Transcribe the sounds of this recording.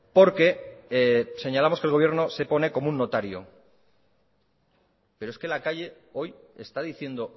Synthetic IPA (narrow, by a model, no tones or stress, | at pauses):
po̞ɾke̞ | se̞ɲalamo̞skelɣo̞βje̞ɾno̞se̞po̞ne̞ko̞mounːo̞t̪aɾjo̞̰ | pe̞ɾoeske̞lakaʎe̞ | o̞je̞st̪aðiθje̞nd̪o̞